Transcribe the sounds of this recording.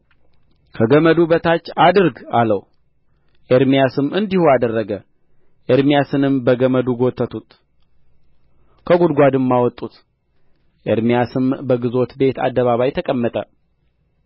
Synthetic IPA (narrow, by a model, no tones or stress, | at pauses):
kʰəɡəməd̪ubət̪ʰat͡ʃːad̪ɨɾɡaləw | ʔeɾmijasɨmɨnd̪ihuad̪ərːəɡə | ʔeɾmijasɨnɨmbəɡəməd̪uɡot̪ʰːət̪ʰut̪ | kʰəɡud̪ɡʷad̪ɨmːawɔt̪ʼːut̪ | ʔeɾmijasɨmbəɡɨzo̞t̪be̞t̪ʰa̰d̪ːəβaβajt̪ʰəkʼəmːət̪ʼə